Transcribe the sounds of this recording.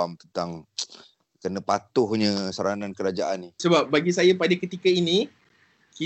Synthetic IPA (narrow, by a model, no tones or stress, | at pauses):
amt̪ənt̪aŋ | kənəpat̪ʊhɲə̃saɾanankəɾad͡ʒaʔanːisəbap̚baɡisajapadakət̪ikaini | ki